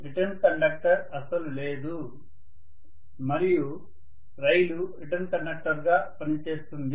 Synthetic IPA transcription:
ɾiʈɐnkɐɳɖɐk̚ʈɐɾɐsɐlule̞ːd̪u | mɐɾiju | ɾɐjluɾiʈɐnkɐɳɖɐk̚ʈɐɾɡaːpɐnit͡ʃe̞ːst̪und̪i

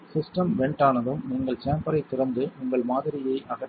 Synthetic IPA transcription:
sɪsʈɐmʋɛɳʈaːnɐðɯmniːŋɡɐɭt͡ʃaːmpɐɾɐɪt̪ːɪɾɐnd̪ɯʊŋɡɐɭmaːðɪɾɪjɐɪʔɐɣɐ

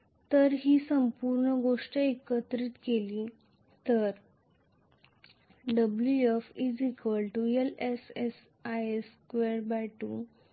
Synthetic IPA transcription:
t̪əɾɦiːsəmpuɾɳəɡoʂʈəekət̪ɾiːt̪keli | t̪əɾ | ɖəbljuefid͡zikʋəlʈueleses | ajeskʋeɾbaʈṵ

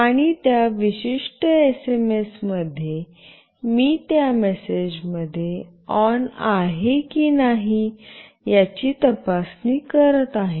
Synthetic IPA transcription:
aɽ̃it̪jaʋiɕiʂʈəesemesməd̪ʱːje | miːt̪jamesed͡ʑməd̪ʱːje | ɔnaɦekiːnaɦi | jat͡ɕiːt̪əpasniːkəɾət̪aɦe

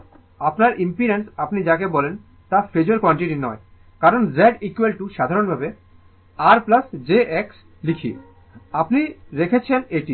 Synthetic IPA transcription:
apnaɾʔimpiɾensapnid͡ʑakebɔlen | t̪afed͡ʑoɾkɔɳʈiʈinɔe | kaɾonzeɖikwelʈuʃad̪ʱaɾonbʱabe | aɾplasd͡ʑeʔeks | likʰḭ | apniɾekʰet͡ɕʰeneʈi

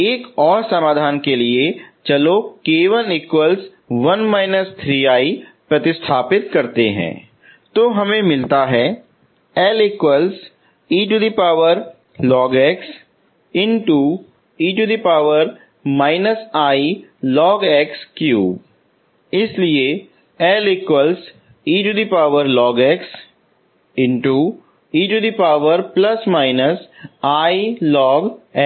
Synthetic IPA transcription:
eːkɔːɾsɐmaːd̪ʱaːnkeliet͡ʃɐlokeːʋəlɪkwəls | ʋɐnmaːɪnəst̪ʰɾiːaːipɾɐt̪ɪst̪ʰaːpɪt̪̚kɐɾt̪eɦɛ̰̃ː | t̪oɦɐmẽmɪlt̪aɦɛː | ɛlɪkwəls | iːʈuɖipaːʋəɾ | lɔːɡɛːks | ɪ̃nʈu | iːʈud̪ipaːʋəɾ | maːɪnəsaːilɔːɡɛkskjṵː | ɪslie | ɛlikwəls | iːʈud̪ipaːʋəɾlɔːɡɛks | ɪ̃nʈu | iːʈud̪ipaːʋəɾplɐsmaːɪnəsaːilɔːɡɛ

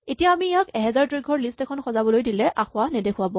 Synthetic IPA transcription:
etijaːmijakɛɦɛzaɹtɹiɡʱɔɹlistɛkʰɔnxɔzabɔlojdilɛʔaxʊanɛdekʰʊwabɔ

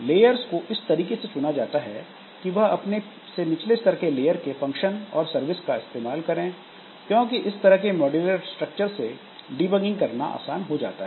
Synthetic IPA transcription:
leːjəɾzkoʔɪst̪ɐɾiːkeset͡ʃʊnad͡ʒaːt̪aɦɛ | kiʋɐɦɐpne | senɪt͡ʃleɪst̪ɐɾkeleːjəɾkefɐ̃ŋkʃənɔːɾsɐɾʋɪskaɪst̪eːmaːlkɐɾẽː | kjõːkiʔɪst̪ɐɾəɦkemɔːɖiləʈsʈɾɐk̚t͡ʃəɾse | ɖiːbəɡɪ̃ŋɡkɐɾna̰ʔa̰ːsaːnɦod͡ʒa̰ːt̪aɦɛɛː

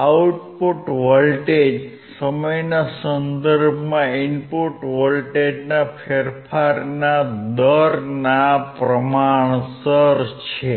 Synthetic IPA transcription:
auʈpoʈʋəlʈed͡ʒ | səməjnasənd̪əɾbʱmãinpoʈʋəlʈed͡ʒnafʰeɾpʰaɾnad̪əɾnapɾəmaɳ̃səɾt͡ʃʰe

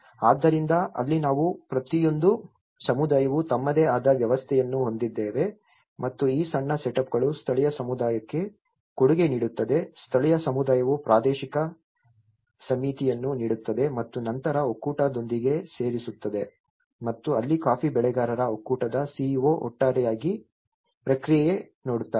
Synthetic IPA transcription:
aːd̪ːɐɾind̪ɐʔɐ̰lːinaːʋupɾɐt̪ijo̞nd̪u | sɐmud̪aːjɐʋut̪ɐmːɐd̪eːaːd̪ɐʋjɐʋɐst̪ʰɛjɐnːuɦo̞nd̪id̪ːeːʋe̞ | mɐt̪ːuiːsɐɳːɐseʈɐp̚ɡɐɭust̪ʰɐɭɛjɐsɐmud̪aːjɐkːe̞ | koɽuɡe̞niːɽut̪ːɐd̪e̞st̪ʰɐɭɛjɐsɐmud̪aːjɐʋupɾaːd̪eːʃikɐ | sɐmit̪ijɐnːuniːɽut̪ːɐd̪e̞mɐt̪ːunɐnt̪ɐɾɐokːuːʈɐd̪o̞nd̪iɡe̞se̞ːɾisut̪ːɐd̪e̞ | mɐt̪ːuɐlːikaːpibɛɭɛɡaːɾɐɾɐokːuːʈɐd̪ɐsiːʋoʔɔ̰ʈːaːɾɛjaːɡi | pɾɐkɾijje | noːɽut̪ːaː

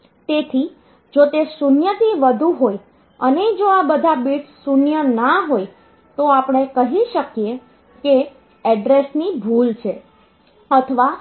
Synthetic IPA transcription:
t̪et̪ʰi | d͡ʒot̪esunjət̪ʰiʋəd̪ʱuɦoj | əned͡ʒoabəd̪ʱabiʈsunjənaɦoj | t̪oapɳ̃ekəɦiʃəkie | ke | ɛɖɾesnibʱult͡ʃʰe | ət̪ʰəʋa

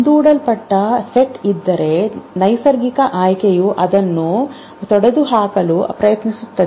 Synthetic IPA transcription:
nd̪uːɽɐlpɐʈːɐseʈid̪ːɐɾe̞nɐjsɐɾɡikɐʔaːjkejuʔɐd̪ɐnːu | t̪ɔɽɐd̪uɦaːkɐlupɾɐjɐt̪nisut̪ːɐd̪e

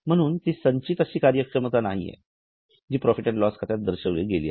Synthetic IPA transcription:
m̤əɽ̃uːnt̪iːsəɲt͡ɕiːt̪əɕiːkaɾjəkʂəmət̪anaɦijḛ | d͡ʑiːpɾɔfiʈəɳʈlɔskʰat̪jad̪əɾɕəʋleɡeliːa

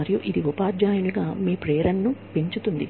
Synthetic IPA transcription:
ɐɾijuʔid̪iupaːɾd͡ʒaːjuniɡaːmiːpɾɛːɐɾɐnːupe̞ɲt͡ʃut̪und̪ḭ

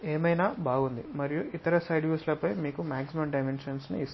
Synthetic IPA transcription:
eːmɐjnaːbaːɡund̪imɐɾijuʔit̪ɐɾɐsɐjɖjuːslɐpɐjmiːkumaːksimɐmɖɐjmenʂɐnsnṵis

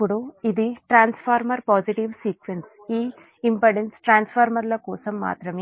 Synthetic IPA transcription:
pːuɽuid̪iʈɾaːnspʰaːɾmɐɾpaːd͡ʒiʈiʋsiːkʋens | iː | impɐɖensʈɾaːnspʰaːɾmɐɾlɐkɔːsɐmːa̰ːt̪ɾɐme

